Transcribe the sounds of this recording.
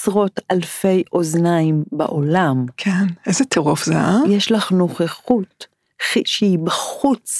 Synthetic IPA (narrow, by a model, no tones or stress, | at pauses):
sʁo̞talfe̞jʔo̞znaimba̰ʔolamkʰenejzet̪ʰeʁofzeʔajeʃlaχno̞χeχut | χiʃeibaχut͡s